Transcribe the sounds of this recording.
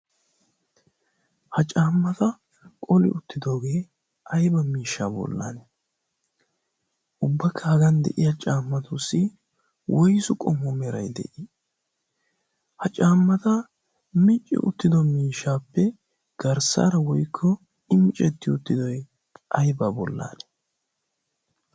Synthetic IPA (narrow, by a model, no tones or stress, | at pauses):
hɐt͡ʃʼaːmːɐt̪ɐ | kʼɔlɪ̰ʔʊt̪ːɪd̪o̞ːɡe̞ː | ʔɐjbɐmiːʃːaːbɔ̰lːa̰n | ʔʊbːɐkʰːɐɐɡɐnd̪ɛ̰ʔɪjɐt͡ʃʼaːmːɐt̪ʊsːɪ | wɔjsʊkʼɔmːɔmɛɾɐjd̪ɛ̰ʔɪ | hɐt͡ʃʼaːmːɐt̪ɐ | mɪt͡ʃʼːɪ̰ʔʊ̰t̪ːɪd̪ɔmiːʃːaːpːɛ | ɡ̥ɐɾsa̰ːɾɐwɔjkʰːɔ | ɪmɪt͡ʃʼɛt̪ːɪʊt̪ːɪd̪ɔj | ʔɐjbabɔ̰lːa̰ːnɛ̥